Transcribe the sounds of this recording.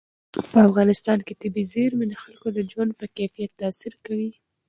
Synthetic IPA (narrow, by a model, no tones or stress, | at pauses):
pəafɣɑnɪst̪ɑnket̪ɪbizeɾmenəxalkod̪əd͡ʒwand̪̚pəkajfijat̪ːɑsɪɾkawi